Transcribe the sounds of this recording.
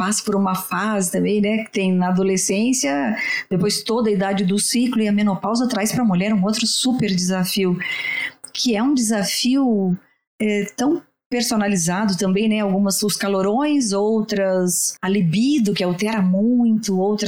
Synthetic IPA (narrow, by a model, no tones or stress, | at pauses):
pasɐ̥poɾũmɐfazɪt̪ɐ̃mbẽj̃nɛkɪ̥t̪ẽj̃nɐad̪olesẽsjɐd̪̥epojzt̪od̪ɐid̪ad͡ʒɪd̪ʊsiklʊɪɐmẽnopawzɐt̪ɾajspɾɐmuʎɛɾũot̪ɾʊsupeɾd͡ʒɪzafiʊ | kʰɪɛũd͡ʒ̪ɪzafiʊ | ɛt̪ɐ̃w̃ | peɾsonalizad̪ʊt̪ɐ̃mbẽj̃nɛawɡũmɐsʊskaloɾõj̃zowt̪ɾɐsalibid̪ʊkɪawt̪ɛɾɐmũj̃t̪ʊowt̪ɾɐ